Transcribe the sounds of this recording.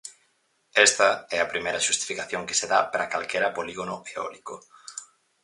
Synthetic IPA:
ɛst̪ɐɛɐpɾimejɾɐʃust̪i̥fikaθjoŋke̥seðapɾakalkɛɾɐpoliɣonʊeɔ̰liko

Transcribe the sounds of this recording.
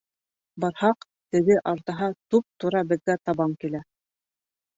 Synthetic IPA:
bɑɾhɑq | t̪ɘ̆ɣɘʔɑɾt̪ɑɦɑt̪up̚t̪uɾɑbɘ̆ðɡæt̪ɑβɑmkilæ

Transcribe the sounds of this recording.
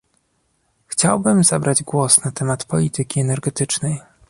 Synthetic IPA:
xt͡ɕawbɘmza̰bɾad͡ʑɡwɔsnat̪ɛmat̪pɔlʲit̪ɘkʲiɛnɛɾɡɛt̪ɘt͡ʂnɛj

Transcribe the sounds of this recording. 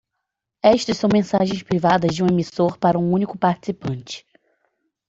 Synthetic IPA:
ɛʃt̪ɐssɐ̃w̃mẽsaʒẽj̃spɾivad̪ɐzd͡ʒɪũemisoɾpaɾɐũũnikʊpaɾt͡ʃi̥sipɐ̃nt͡ʃɪ̥

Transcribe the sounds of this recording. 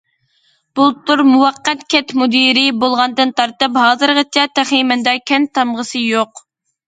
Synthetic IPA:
b̥ulˠt̪ʰuɾmuwɑqːɛt̪kʲʰɛt̪mud̪iɾɪbolˠʁɑnd̪ɨnt̪ʰɑɾt̪ɨpɦɑːzɨɾʁɑt͡ʃʰɛt̪æχimɛnd̪ɛkʲʰɛnt̪ʰɑmʁəsɨjoq

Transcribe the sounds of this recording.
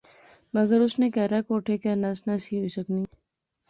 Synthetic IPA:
mɐɡəɾʊsnekɛɾakoːʈʰekenasnasiɦoisəkniː

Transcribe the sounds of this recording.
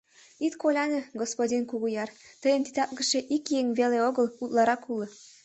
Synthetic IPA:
it̪kolʲɑnĕɡospodʲinkuɣujɑrt̪ə̆jəmt̪i̥t̪ɑpɣə̆ʃĕʔikjeŋβeleoɣɤ̆lut̪lɑɾɑkulɤ̆

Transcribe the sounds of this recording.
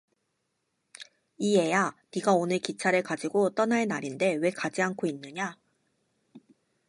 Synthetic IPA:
ie̞janiɡaonɯɭkit͡ɕʰaɾɯɭkad͡ʑiɡot͈ʌnaenaɾinde̞we̞kad͡ʑiankʰoinːɯɲa

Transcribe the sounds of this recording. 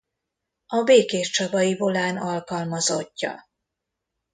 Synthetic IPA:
ɒbeːkeːʃt͡ʃɒbɒjivo̞laːnɒlkɒlmɒzo̞cːɒ̰

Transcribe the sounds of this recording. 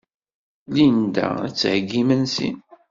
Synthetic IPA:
lind̪æ̰æt͡sːhɡːimənsḭn

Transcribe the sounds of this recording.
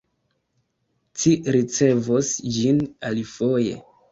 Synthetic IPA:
t͡ʃiɾit͡se̞vosd͡ʒinalifo̞je̞̰

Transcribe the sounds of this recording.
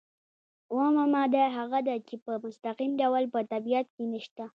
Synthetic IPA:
womamad̪aɦaɣad̪at͡ʃepəmʊst̪aqimɖawalpət̪abijat̪̚kenəʃt̪a

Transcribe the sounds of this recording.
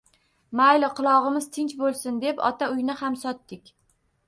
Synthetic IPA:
majlɪqɨlˠɒʁɨmɪz̥t̪ʰɪnt͡ʃbolˠsɪnd̪e̞pɒ̰t̪ʰaʊjnɪhamsɒt̪ːɪkʲ

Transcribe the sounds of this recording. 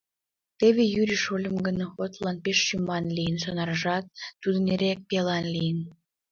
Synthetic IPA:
t̪eβejyɾʲiʃolʲəmɡənoxot̪lɑnpeʃːymɑnlʲijənʃɑnɑɾəʒɑt̪̚ːud̪ə̆neɾʲek̚pelɑnlʲijən

